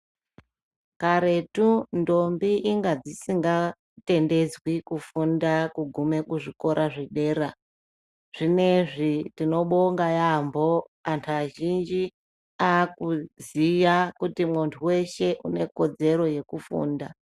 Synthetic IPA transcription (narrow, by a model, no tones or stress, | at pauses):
kaɾe̞tundo̞mbiʔiŋɡad͡zisiŋɡa | te̞nde̞d͡zwikufundakuɡʱume̞kuʐiko̞ɾʔaʐiɗe̞ːɾa | ʐ̥ine̞ʐitino̞ɓoŋɡajambo̞ | antʰaʒind͡ʒi | aːkuzijakutimuntʰuwe̞ʃe̞ʔṵne̞ko̞d͡ze̞ɾo̞je̞kufṵːnda